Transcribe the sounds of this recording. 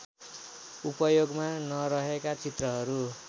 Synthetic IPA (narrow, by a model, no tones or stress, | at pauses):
upʌjoɡmanʌɾʌɦekat͡sʰit̪rʌɦʌɾu